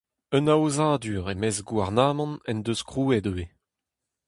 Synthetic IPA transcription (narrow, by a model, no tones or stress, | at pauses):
œnaozaːd̪yːʁemɛzɡwaʁnaːmɑ̃nɛnd̪øskʁuːɛdøe